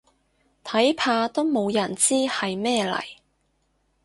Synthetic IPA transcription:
t̪ʰɐ˨˥jpʰaː˧t̪o˥wmo˨˧wjɐ˨˩nt͡siː˥hɐ˨jmɛː˥lɐ̰˨˩j

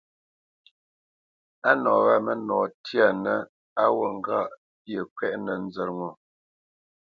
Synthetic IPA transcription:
a˦nɔː˨ɣa˦mə˦nɔː˨tja˨nə˦ | a˦wo˨ŋ˦ɡa˦˨ʔ | pjə˨kwɛ˦ʔnə˨n˦d͡zə˨ŋo˨

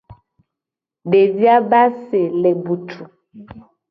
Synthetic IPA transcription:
ɖe˨di˦a˦ba˦se˨lɛ˨bu˨tʰu˨

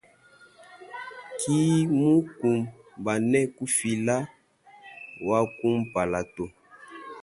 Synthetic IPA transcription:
ki˦mu˦ku˨m | ba˨nɛ˦ku˦fi˨la˦ | wa˦ku˦m˦pa˨la˨to˨

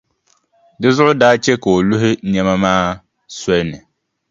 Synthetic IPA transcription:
dɨ˦zʊ˦ʔʊ˦daː˦t͡ʃɛ˦ka˨o˨lʊ˦ɦɪ˦nɛ˦ma˦maː˦ | sɔ˦lnɨ˨

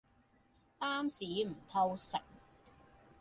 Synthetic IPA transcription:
t̪aː˥msiː˨˥m̩˨˩t̪ʰɐ˧wsɐ˨˩k̚

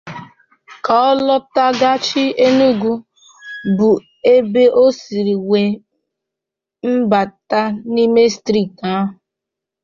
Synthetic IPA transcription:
ka˨ɔ˦lɔ˦ta˦ɡa˦t͡ʃi˦e˦nu˦ɡu˦ | bu˨ | e˦be˦ʔo˦si˨ɾi˨we˨ | m̩˦ba˨ta˦ni˦me˦stɾi˦˨ta˦ɦʊ˨

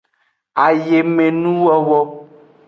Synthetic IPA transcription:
a˨je˨mẽ˨nũ˦wɔ˦wɔ˦

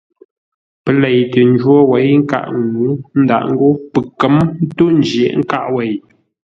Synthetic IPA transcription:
pə˨lɛ˨jtə˨n˦d͡ʒwɔ˦wɛ˨˦jŋ̩˦ka̰˦ʔŋːu˨˦n̩˦da̰˦˨ʔŋ̩˦ɡo˦pə˨kə˨˦mn̩˦to˦n˦d͡ʒje˨ʔŋ̩˦ka̰˦ʔwɛ˨j

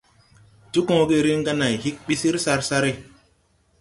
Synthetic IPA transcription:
tu˦kɔ̃˦ɡe˦ɾi˦ŋɡa˦na˨jhi˦k̚ɓi˦si˦ɾsa˦ɾsa˦ɾe˨

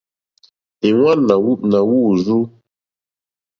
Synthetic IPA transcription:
e˨wa˦nːa˨wu˦ʔ̚na˨wu˦˨zu˦

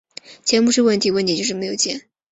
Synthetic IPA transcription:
t͡ɕʰjɛ˧˥npu˧˥ʂɻ̩˥˧wə˥˩nt̪ʰi˧˥wt̪i˧˥t͡ɕjʊʂɻ̩˥˩me˧˥ɪjo˨˩ʊt͡ɕjɛ˥˩n

